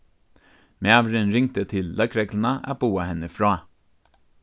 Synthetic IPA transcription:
meɑʋɾənɾɪŋ̚t̪ət̪ʰɪlːɑkɾɛklnɑʔɑ̰b̥uːahɛnəfɾɑː

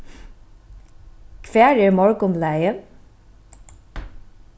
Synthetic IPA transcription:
kʰvæːɹɛɹmɔɹkʊmlæjən

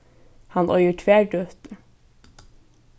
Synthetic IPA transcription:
hɑnʔœʏəʈʰʋæːɖøːt̪ə

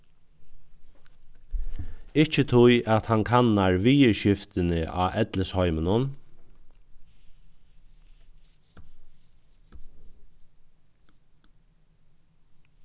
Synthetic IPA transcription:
ɪt͡ʃət̪ʰʊjʔat̪hankʰanːaɹʋiːəɹʃɪft̪ɪnɪʔa̰ːʔɛt̪ləshɔʏmənʊn

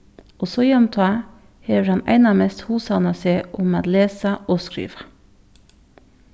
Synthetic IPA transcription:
ʔosoːjɛmt̪ʰɑː | heːʋəɾɑnæ̰ɪnɑɑːmest̪huːsɑnəseːʔʊmɑ̰ːt̪leːsəʔoːskɾḭːʋə̥

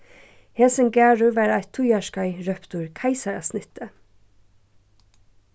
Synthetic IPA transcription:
hɛsəŋɡæːɹʉʋɑːɾæɪt̪ʰujɑʃkɑɪɹœpt̪uːɹkʰæɪsɑɾɑ̰snɪt̪ə

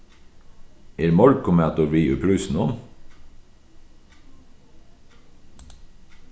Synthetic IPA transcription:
eːɾmɔlkʊmæːt̪ʊɾʋiːʉːpʰɽʉːsn̩ɔm

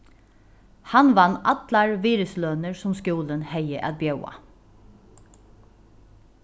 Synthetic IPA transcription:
hɑnʋɑnɑt̪lɑɹʋiːɾʉsløːnəɹsɔmskjuːlənhæɪəʔɑd̪̚bjœʊɑ̰

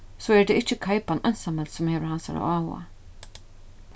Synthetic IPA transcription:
soːɛɹd̪eːɪt͡ʃəkʰajpanœnsamɛlsɔmheːʋəɾhansa̰ɹa̰aːwa̰

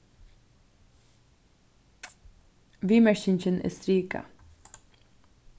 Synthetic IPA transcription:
ʋiːmæçɪnçənʔḛːst̪ɾiːkɑ̰

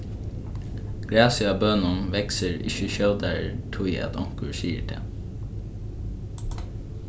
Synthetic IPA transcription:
ɡ̥ɾæːsəɑːbœnənʋɛksəɹɪ̰çəʃœld̪æɹʈʰʊɪæ̰t̪ɔŋkʉɹsiːə̰ʈʰḛː

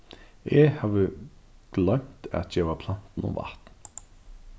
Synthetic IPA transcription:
ʔehɑːʋəɡ̥lɛmt̪ʰɑ̰t̪ʰjæʋɑːpʰlɑnt̪n̩ɔ̰ːʋʔɑ̰ht̪n̩

